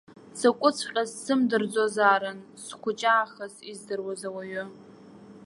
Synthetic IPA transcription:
sakʷʼʊt͡sʰqʲʼazsɨmdɨrd͡zozaːɾɨnskʷʰʊt͡ʃʼaːχasizdɨrwazawaɥʊ

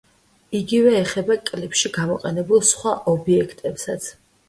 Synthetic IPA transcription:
iɡivɛːχɛbakʼlɛpʃiɡamɔqʼɛnɛbulˠsχwaʔɔbiɛkʰt̪ʼɛpsat̪sʰ

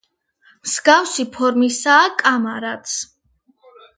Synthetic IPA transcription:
msɡafsipʰɔɾmisaːkʼamaɾat̪sʰ

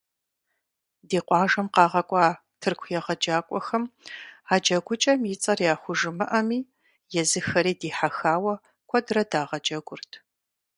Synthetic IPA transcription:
diːqʷɑːʒɐmqɑːʁɐkʷʼɑː | tʰɨrkʷʰjɛʁɐd͡ʒaːkʷʼɔxɐmaːd͡ʒɐɡʷʊt͡ʃʼɐmjɪt͡sʼɐrjaːχʷʊʒɨmɨʔɐmiː | jɛzɨxɐɾiːdiːħaxaːwɐ | kʷʰɔdrɐdaːʁɐd͡ʒɐɡʷʊrtʰ

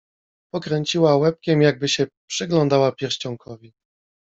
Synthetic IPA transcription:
pɔkɾɛɲt͡ɕiwawɛp̚kʲɛmjaɡ̚bɘɕɛpʂɘɡlɔ̃nd̪awapʲjɛɾɕt͡ɕɔŋkʰɔvʲi

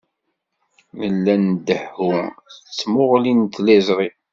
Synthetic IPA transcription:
nəlːænd̪əħʊt͡sːmʊʁlint̪ːlæzʁi

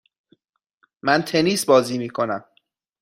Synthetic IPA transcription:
mænt̪ʰe̞niːsbɒːziːmiːkʰo̞næm

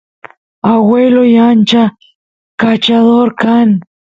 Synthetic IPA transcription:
awelojant͡ʃa | kat͡ʃad̪oɾkaŋ

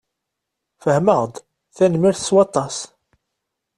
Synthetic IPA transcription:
fəhməʁd̪ | θænmiɾθə̥swɑt̪ˤːɑs

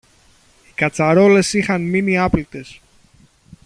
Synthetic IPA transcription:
ikɐt͡sɐɾo̞le̞sixɐnminiɐplit̪e̞s

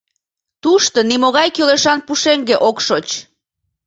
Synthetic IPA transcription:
t̪uʃt̪ənimoɣɑjkøleʃɑnpuʃeŋɡeʔokʃot͡ɕ

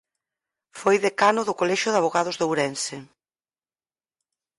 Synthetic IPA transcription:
fojðekanʊðʊkolɛʃʊðaβoɣaðʊzðowɾɛnsɪ

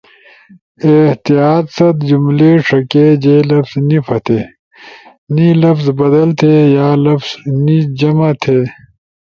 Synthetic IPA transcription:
eht̪ijaːt̪sɐt̪d͡ʑumleʂɐked͡ʑelɐfznifʰɐt̪ʰeː | nilɐfzbɐd̪ɐlt̪ʰejaːlɐfz̥nid͡ʑɐmat̪ʰeː

